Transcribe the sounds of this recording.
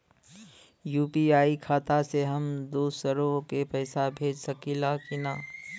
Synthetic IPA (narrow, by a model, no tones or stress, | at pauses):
juːpiaːikʰaːt̪aseɦɐmd̪oːsəɾõkepɛːsabʱeːd͡ʒsɐkilakinaː